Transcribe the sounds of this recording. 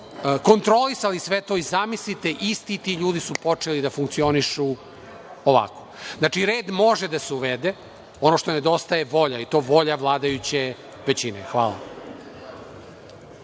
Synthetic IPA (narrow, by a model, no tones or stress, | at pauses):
ko̞nt̪ɾo̞lisalisʋet̪o̞izamislit̪eʔist̪it̪iʎuːd̪isupo̞t͡ʂe̞lid̪afuŋk̚t̪sio̞niʃu | oʋa̰ko̞znat͡ʂiɾe̞ːd̪mo̞ʒed̪aseuʋed̪e | o̞noʃt̪o̞ned̪o̞st̪ajeʋo̞ʎait̪o̞ːʋo̞ʎaʋlˠaːd̪ajut͡ɕe | ʋet͡ɕinexʋa̰ːlˠa̰